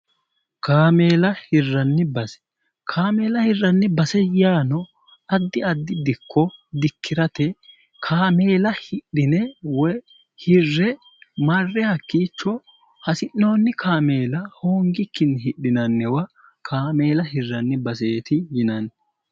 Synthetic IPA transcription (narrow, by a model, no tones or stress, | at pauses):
kaːme̞ːlɐhɪrːɐnːɪbɐsɛ̥ | kʰaːme̞ːlɐhɪrːɐnːɪbɐsɛjaːnɔ | ɐd̪ːɪɐd̪ːɪd̪ɪkʰːɔd̪ɪkʰːɪɾɐt̪ɛ | kʰaːme̞ːlɐhɪɗːɪnɛwɔ | hɪrːɛ | mɐrːɛhɐkːiːt͡ʃːɔ | hɐsɪnːo̞ːnːɪkʰaːme̞ːlɐhoːŋɡɪkːɪnhɪɗːɪnɐnːɛwɐ | kʰaːme̞ːlɐhɪrːɐnːɪbɐseːt̪ɪjɪnɐn